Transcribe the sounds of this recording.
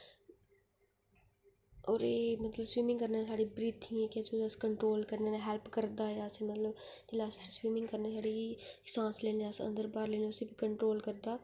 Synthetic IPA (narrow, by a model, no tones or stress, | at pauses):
ɔːɾeːmət̪ləbswiːmɪ̃ŋɡkəɾneːsaːɖiːbɾiːt̪ʰĩːekɪat͡ʃːəskəɳʈɾoːlkəɾneːneɦɛlpkəɾd̪aːjaːseːmət̪ləbd͡ʒɪlaːsʊsĩːswiːmɪ̃ŋɡkəɾneːsaːɽiːɪsãːsleːneːəsə̰nd̪əɾbaːɾleːnẽːʊsiːbikəɳʈɾoːlkəɾd̪aː